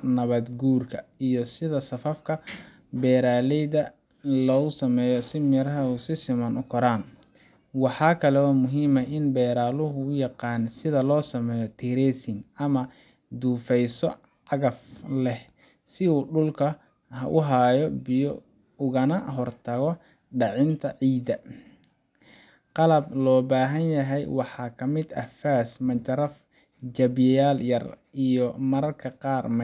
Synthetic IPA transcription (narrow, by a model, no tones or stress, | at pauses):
nɐβɐd̪ɡuːrkʰɐijɔsɪðɐsɐfɐfkʰɐ | bɛːɾaːlɛjðɐ | lɔːʊsɐmɛːjɔsɪmɛɾɦɐuːsɪsɪmɐnʊkʰɔɾaːn | wɑħɑːkʰɐlɛɔːmʊɦiːmɐʔɪnbɛːɾaːlʊɦʊʊjɑqɑːnsɪðɐlɔːsɐmɛːjɔt̪ʰiɾɛsɪŋɐmɐ | d̪uːfɛjsɔ̰ | ʕɑɣɐflɛh | sɪuːɖʊlkʰɐ | ɦɐʔʊɦaːjɔbɪjɔ | ʊɣɐnɐɦɔrt̪ʰɐɣɔ | ɖɑʕɪnt̪ʰɐʕiːd̪ɐ | qɑlɐblɔːbaːɦɐnjɐɦɛjwɑħɑːkʰɐmɪd̪ɐhfaːsmɐt͡ʃɐɾɐf | d͡ʒɐbjɐjaːljɐrijɔmɐɾɐrkʰɐqɑːrmɐ